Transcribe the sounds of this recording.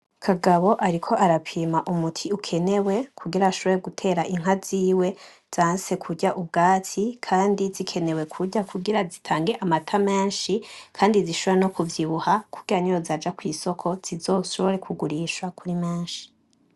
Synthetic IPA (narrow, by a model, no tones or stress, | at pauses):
kʰaɡaβo̞ʔaɾikʰo̞ʔaɾapʰiːmaʔumutʰiukʰe̞ne̞we̞kʰuɡiɾaaʃo̞βoɾeɡutʰe̞ːɾaʔiŋ̥ɦaziːwe̞ | z̥aːnse̞kʰuɟaʔub̚ɡaːtʰikʰaːndizikʰe̞ne̞we̞kʰuɟakʰuɡiɾazitʰaːŋɡe̞ʔamatʰame̞ːnʃikʰaːndiziʃoβoɾeno̞kuvjiβuhakʰuɡ̥iɾaɲiɾozad͡ʒakwiːso̞kʰo̞z̥izo̞ʃoβoɾe̞kʰuɡuɾiʃwakʰuɾimeːnʃi̥